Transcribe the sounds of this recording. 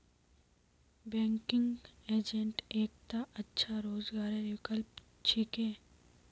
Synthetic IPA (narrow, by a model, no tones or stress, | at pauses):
bɛ̃ːŋkɪŋɡeːd͡ʒẽɳʈeːk̚t̪aʔɐtːʃʰaɾoːzɡaːɾeɾɪkəlp | t͡ʃʰɪkẽː